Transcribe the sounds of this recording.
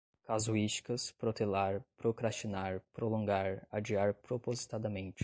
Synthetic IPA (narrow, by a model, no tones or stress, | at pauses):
kazuit͡ʃi̥kɐspɾot̪elaɾpɾokɾast͡ʃinaɾpɾolõŋɡaɾad͡ʒiaɾpɾopozit̪ad̪ɐmẽnt͡ʃɪ̥